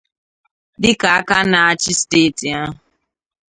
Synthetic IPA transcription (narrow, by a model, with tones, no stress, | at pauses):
dɪ˦ka˨a˦ka˦na˨a˦t͡ʃɪ˦steː˦˨ti˨a˦ɦʊ˨